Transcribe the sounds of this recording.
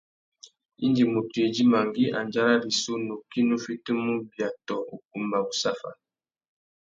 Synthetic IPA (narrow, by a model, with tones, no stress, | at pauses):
ḭ˦nd͡ʒi˨mu˨te˨d͡ʒi˦ma˨ŋɡi˦ʔa˨nd͡ʒa˦ɾa˦ɾi˨so˦no˨ki˦nu˦fi˦tə˦mu˦bja˨tɔ˨u˨k̚u˨mba˨bu˨sa˦fa̰˨